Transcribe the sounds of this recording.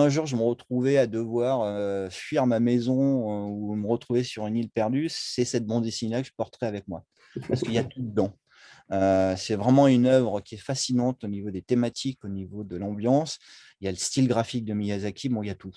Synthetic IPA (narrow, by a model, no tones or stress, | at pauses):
ɛ̃ʒuʁʒəməʁət̪χuvɛad̪əvwaʁøfɥiʁmamɛzɔ̃uməʁət̪χuvesyʁynilpɛʁd̪ysɛsɛt̪̚bɑ̃d̪esinlakə̥ʒə̥pɔʁt̪əʁɛavɛkmwa | paʁsəkəiljat̪ud̪əd̪ɑ̃ | øsɛvʁɛmɑ̃ynœvʁəkʲiɛfasinɑ̃t̪onivod̪et̪emat̪ʰikonivod̪əlɑ̃bjɑ̃s | iljaləst̪ilɡʁafik̚d̪əmijazakʲʰibɔ̃iljat̪u